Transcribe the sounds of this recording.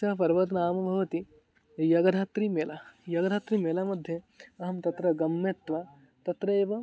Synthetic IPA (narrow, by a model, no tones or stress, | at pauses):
ɐpɐɾʋɐt̪naːmɐbʱɐʋɐt̪i | jɐɡɐd̪ʱaːt̪ɾimeːlajɐɡɐd̪ʱaːt̪ɾimeːlaːmɐd̪ʱjɐ | ɐɦɐmt̪ɐt̪ɾɐɡɐmːet̪ʋa | t̪ɐt̪ɾɐeːʋɐ